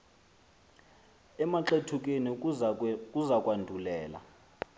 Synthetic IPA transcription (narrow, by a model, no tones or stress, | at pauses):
ɛmaǁetʰuk̬ʼeni | kʼuzakʼwandʱulɛːla̰